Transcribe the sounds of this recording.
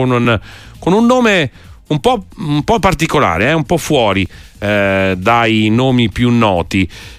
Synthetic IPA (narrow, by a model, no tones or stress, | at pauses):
onun | konunːoːme | umpɔumpɔpːart̪ikola̰ːɾeɛumpɔfːwɔːɾi | d̪ajinoːmipjunːɔːt̪i